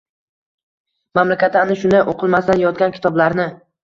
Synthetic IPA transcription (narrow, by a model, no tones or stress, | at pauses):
mamlakʲat̪anɪʃʊnd̪ajʔoqʰɨlˠmast̪anjɒt̪̚ɡʲankʲɪ̥t̪ʰɒblaɾnɪ